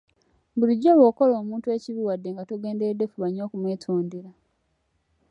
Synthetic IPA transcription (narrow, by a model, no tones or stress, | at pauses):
βuliɟːolwo̞ːko̞lo̞ːmuːntue̞ːciβiwadːe̞ŋɡatoɡe̞ːndeɾedːe̞fuβaɲo̞ːkumweːtʰoːndiɾa